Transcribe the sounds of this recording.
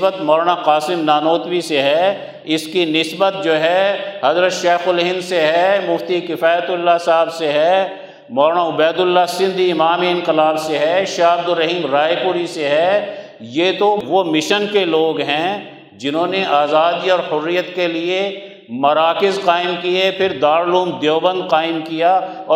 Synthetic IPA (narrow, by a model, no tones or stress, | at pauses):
bət̪mɔːɾɳaqaːsɪmnaːnoːt̪wiseɦɛ | ɪskinɪsbət̪̚d͡ʒoːɦɛɦɐzɾət̪ʃeːxʊlɦɪ̃nseɦɛmʊft̪ikɪfaːjət̪ʊlːasaːbseɦɛ | mɔːɾɳaʊbɛːd̪ʊlːasɪ̃nd̪ʱiɪmaːmeɪnqɪlaːbseɦɛʃaːbd̪ʊɾːɐɦiːmɾaːepʊɾiseɦɛ | jeːt̪oʋomɪʃənkeloːɡɦɛ̃ | d͡ʒɪnɦõːneʔaːzaːd̪iɔːɾhʊrːijət̪kelie | mɐɾaːkɪzqaːɪmkiepʰɪɾd̪aːɾluːmd̪joːbə̃nd̪qaːɪmkijaɔː